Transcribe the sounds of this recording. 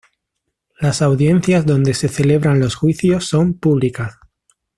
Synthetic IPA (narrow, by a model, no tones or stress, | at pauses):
lasawðje̞n̟θjazðo̞nd̪e̞se̞θe̞le̞β̞ɾanlo̞sxwiθjo̞sːo̞mpuβ̞likas